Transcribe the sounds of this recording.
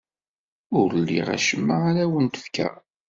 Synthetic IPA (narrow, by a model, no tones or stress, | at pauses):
ʊɾlːḭʁa̰ʃəmːaaɾæwənt̪ə̥fkæ̰